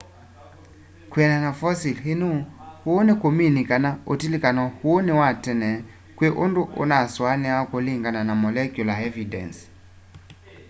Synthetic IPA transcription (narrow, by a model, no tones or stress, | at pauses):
kwiɛnanafɔsilɦinuhuːnekominikanaotilikanɔhuːnewatɛnɛ | kweʔonduʔo̰naswanɛakoliŋɡananamɔlɛkjulaɛvidɛ̰ns